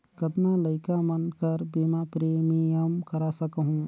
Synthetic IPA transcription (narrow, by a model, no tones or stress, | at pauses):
kɐt̪naːlɐɪkamɐnkɐɾbiːmapɾeːmijəmkɐɾasɐkɦũː